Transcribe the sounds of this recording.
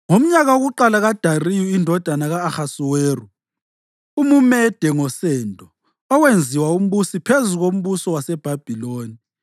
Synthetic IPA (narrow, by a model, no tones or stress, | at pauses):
ŋom̩ɲaɣaoɣuǃalaɣad̥ʱarijuindʱɔd̥ʱanaɣaːxasuweːru | umumɛd̥ʱɛŋɔsɛːndʱʼɔ | ɔwend͡zʱiwaum̩βusipʰezuɣom̩βusɔwasɛb̥ʱab̥ʱiloːni